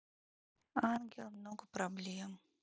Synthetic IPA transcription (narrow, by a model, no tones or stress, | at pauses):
anɡʲɪlˠmnoɡəpɾɐblʲem